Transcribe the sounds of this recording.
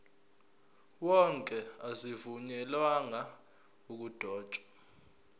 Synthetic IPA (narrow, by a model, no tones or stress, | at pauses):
wɔŋkʼɛazivuɲɛlwaŋa | uk̬ud̥ʱɔːd̥ʒ̥ʼʱwḁ